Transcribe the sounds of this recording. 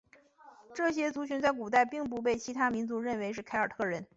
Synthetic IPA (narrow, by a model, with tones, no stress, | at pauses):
ʈ͡ʂɤ˥˩ɕjɛ˥t͡su˧˥ɕy˧˥nt͡sa˥˩ɪk̬u˨˩t̪a˥˧ɪpi˥˧ŋp̬u˥˧p̬e˥˩ɪt͡ɕʰi˧˥t̪ʰa˥mi˧˥nt͡su˧˥ɻə˥˩nwe˧˥ɪʂ̬ɻ̩˥˩kʰa˥ɪə˞˨˩t̪ʰɤ˥˩ɻə˧˥n